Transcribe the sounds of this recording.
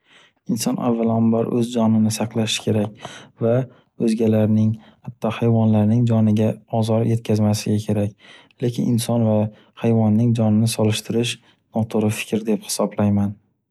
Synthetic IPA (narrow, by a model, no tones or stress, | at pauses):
ɪnsɒnʔa̰vːalambaɾʔɵzd͡ʒɒnɪnɪsaqlˠaʃɪ̥kʲʰe̞ɾakʲva | ɵzɡʲalaɾnɪŋhat̪ʰːɒhajvɒnlaɾnɪŋd͡ʒɒnɪɡʲaɒzɒɾjʔe̞t̪̚kʲʰazmasɪɡʲakʲʰe̞ɾakʲ | le̞kʲɪnʔɪnsɒnva | hajvɒnːɪŋd͡ʒɒnɪnɪsɒlɪʃt̪ʰɪɾɪʃ | nɒt̪ʰʊɾɪfɪ̥kʲɾd̪e̞phɪ̥sɒblajman